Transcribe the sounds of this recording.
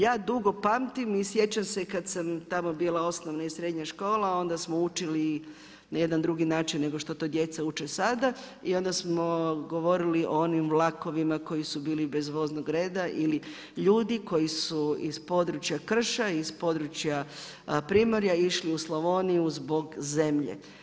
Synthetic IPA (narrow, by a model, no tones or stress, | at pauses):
jaːd̪uɡo̞pamt̪imisje̞t͡ɕamse̞kad̪samt̪amo̞biːlˠao̞snoʋnaisɾe̞d̪ɲaʃko̞ːlˠao̞nd̪asmout͡ʃili | naje̞d̪and̪ɾuɡinaːt͡ʃinːe̞ɡo̞ʃt̪ot̪oːd̪je̞t̪saut͡ʃesad̪a | io̞nd̪asmo̞ɡo̞ʋo̞ɾiliʔoonimʋlˠako̞ʋimako̞jisubiːlibe̞zʋo̞znoɡɾe̞ːd̪aʔili | ʎuːd̪iko̞jisuizpo̞d̪ɾut͡ʃjakr̩ʃaispo̞d̪ɾut͡ɕja | pɾimoɾjaiʃliuslˠoʋonijuzbo̞ɡze̞mʎḛ